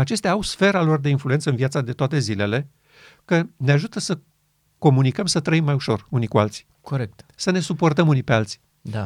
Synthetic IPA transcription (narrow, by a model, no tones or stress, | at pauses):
at͡ʃe̞st̪eaːawsfe̞ɾalo̞rd̪e̞influe̞nt̪səɨnviat̪sad̪e̞t̪oat̪e̞zile̞le̞ | kəne̞aʒut̪əsə | ko̞munikəmsət̪ɾəimːajuʃo̞̰runikualt̪si̥ | koɾekt̪səne̞supo̞rt̪əmunipe̞alt̪si̥ | d̪a